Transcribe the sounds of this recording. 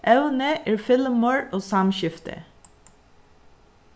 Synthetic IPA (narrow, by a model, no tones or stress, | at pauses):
ʔɛʋnəʔiːɹfɪlmoɹoːsɑmʃʏft̪ʰə̰